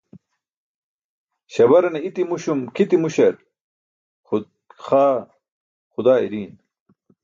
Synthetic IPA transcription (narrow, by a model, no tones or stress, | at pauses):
ɕɐbɐɾɐneit̪imuɕumkʰit̪imuɕɐɾ | xaː | xud̪aːḭɾiːn